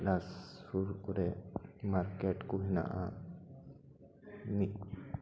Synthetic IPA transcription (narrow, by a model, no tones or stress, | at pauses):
lasfuɾuɾemaɾkeʈkuɦinã̰ʔa̰ | ni